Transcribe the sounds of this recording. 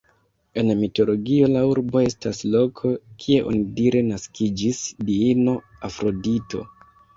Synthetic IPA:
e̞nmito̞lo̞ɡio̞lauɾbo̞e̞staslo̞kʰo̞kʰie̞ʔo̞̰nidiɾe̞naskid͡ʒisdiino̞afɾo̞dito̞̰

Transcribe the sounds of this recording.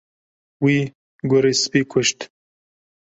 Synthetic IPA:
wiː | ɡʊɾispiːkʷʰʊʃt̪

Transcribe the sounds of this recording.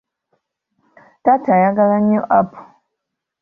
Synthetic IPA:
tatajaɡalaɲːoʔapu̥

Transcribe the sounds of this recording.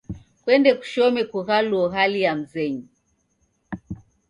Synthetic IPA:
kwɛndɛku̥ʃɔmɛkuɣaluɔɦalijam̩zɛɲi

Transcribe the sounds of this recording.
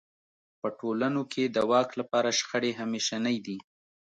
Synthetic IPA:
pəʈolanokʰed̪əwɑklapɑɾaʃxəɽeɦameʃanəjd̪i

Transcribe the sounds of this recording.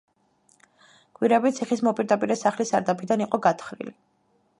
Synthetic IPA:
ɡ̥ʼwiɾɛbit̪sʰiχismɔpʼiɾd̪apʼiɾɛsaχlist̪ʼaɾd̪apʰid̪aniqʼɔɡat̪ʰχɾḭli

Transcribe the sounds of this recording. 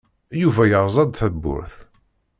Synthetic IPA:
juvæjəɾˤzˤɑd̪θəbːʊ̰ɾθ

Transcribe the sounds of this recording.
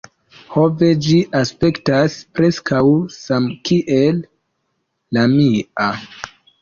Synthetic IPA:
ho̞ve̞d͡ʒiʔaspe̞ktaspɾe̞skʰawsamkiʔelː | amia

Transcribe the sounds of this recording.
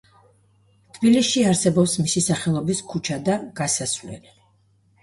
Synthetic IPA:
t̪ʰbilisʃiaɾsɛbɔpsmisisaχɛlˠɔbiskʰut͡ʃʰad̪aɡ̥asasvlɛ̰li

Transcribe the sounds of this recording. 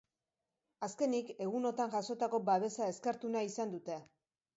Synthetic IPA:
aske̞nike̞ɣ̞uno̞t̪aŋʝaso̞t̪ako̞baβ̞e̞sae̞skaɾt̪unaisand̪ut̪e̞

